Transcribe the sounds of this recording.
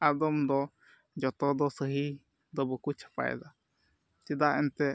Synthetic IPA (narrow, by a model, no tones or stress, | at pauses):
ad̪omd̪o | d͡ʒot̪od̪osɨɦi | d̪obukut͡ʃḁpa̰ḛd̪a | t̪id̪aent̪e